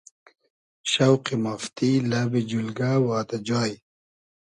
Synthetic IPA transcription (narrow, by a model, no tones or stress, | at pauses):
ʃawqimaft̪ilabid͡ʑulɡawaːt̪ad͡ʑaːj